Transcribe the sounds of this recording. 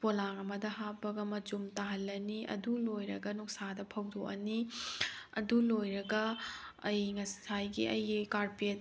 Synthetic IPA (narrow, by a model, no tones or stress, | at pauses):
polaŋɐmɐdɐɦapːɐɡɐmɐd͡ʒumtaɦɐlːɐniʔɐ̰dulojɾɐ̰ɡɐnuk̚sadɐpʰɐwdoʔɐ̰ni | ɐ̰dulojɾɐɡɐɐjŋɐssajɡḭɐjɡikaɾpet̚